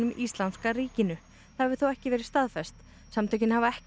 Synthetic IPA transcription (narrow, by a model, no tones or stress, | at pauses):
ʏmʔist̪lanskaɾiːcɪnʏ | θaɛvɪθowɛhcɪvɛːɾɪ̥st̪aðfɛst̪ | samt̪ʰajcɪnhavaɛh